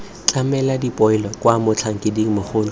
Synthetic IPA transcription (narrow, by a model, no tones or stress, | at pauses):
t͡ɬʼamɛladipʼɔɪlɔkʼwamʊt͡ɬʰaŋ̩kʼɪdiŋ̩mʊχʊːn